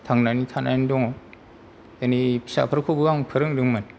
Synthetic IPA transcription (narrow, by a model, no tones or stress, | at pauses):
tʰaŋnanitʰana̰jndɔŋaw | anipʰi̥sa̰pʰɯɾkʰobɯaŋpʰɯɾɯŋdɯŋman